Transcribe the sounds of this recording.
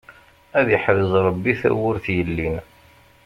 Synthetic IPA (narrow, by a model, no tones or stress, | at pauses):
æðiħəɾəzˤɾˤɑbːiθæ̰wʊɾθjəlːin